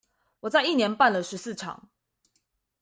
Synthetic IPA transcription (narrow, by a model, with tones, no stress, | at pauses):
wɔ˨˩t͡sa˥˧ɪi˥˩njɛ˧˥npa˥˨nlə˨ʂɻ̩˧˦sɹ̩˥˨ʈ͡ʂʰɑ̰˨˩˦ŋ